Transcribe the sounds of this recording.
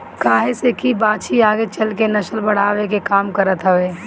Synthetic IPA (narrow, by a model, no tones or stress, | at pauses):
kaːɦesekibaːt͡ʃiaːɡet͡ʃɐlkenɐʃəlbɐɽ̤aːʋekekaːmkɐɾət̪ɦəʋeː